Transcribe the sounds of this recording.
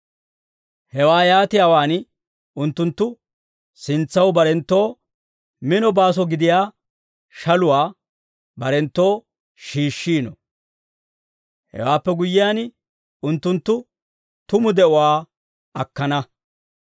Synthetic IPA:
hɛwaːjaːt̪ɪjaːwaːn | ʊnt̪ːʊnt̪ːʊ | sɪnt͡sːɐwbɐɾɛnt̪ːo̞ː | mɪnɔbaːs̬ɔɡɪd̪ɪjaː | ʃɐlʊwaː | bɐɾɛnt̪ːo̞ː | ʃiːʃːiːnɔ̰ | hɛ̰waːpːɛɡʊjːɪjaːn | ʊnt̪ːʊnt̪ːʊ | t̪ʊmʊd̪ɛʔʊwaː | ɐkːɐnɐ

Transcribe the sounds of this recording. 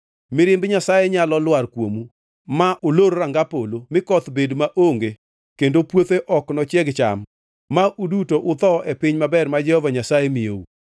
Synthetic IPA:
mɪɾɪmbɲasajɛɲalɔlwarkwomu | maʔoloɾoɾaŋɡapolomɪkɔt̪bedmaʔoŋɡe | kendopwot̪eʔɔknɔt͡ʃjɛɡt͡ʃa̰mː | aʔudutoʔʊt̪ɔʔɛpɪɲmabɛrmad͡ʒɛhɔvaɲasajemɪjoṵ

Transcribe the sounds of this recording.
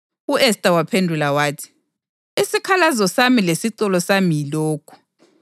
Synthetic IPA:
uʔɛstʼawapʰendʱulawaːtʰi̥ | isikʰalazɔsamilesiǀɔlɔsamijilɔːkʰu̥

